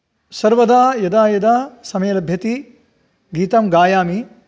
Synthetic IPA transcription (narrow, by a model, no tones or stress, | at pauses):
sɐɾʋɐd̪aːjɐd̪aːjɐd̪aːsɐmɐjɐlɐbʱjɐt̪i | ɡiːt̪ɐmɡaːjaːmi